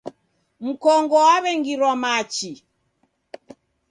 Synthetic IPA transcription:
m̩kɔŋɡɔaβɛŋɡiɾwamat͡ʃi

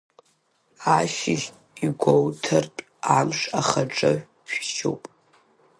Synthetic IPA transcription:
aʃɪʒʲ | iɡʷowtʰɨrtʼ | amʂaχaʈ͡ʂʼɨ | ʃᶣʃo̰wpʼ

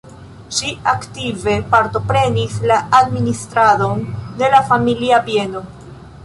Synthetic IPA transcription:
ʃiaktive̞paɾto̞pɾe̞nislaːdministɾado̞nde̞lafamiliapie̞no̞

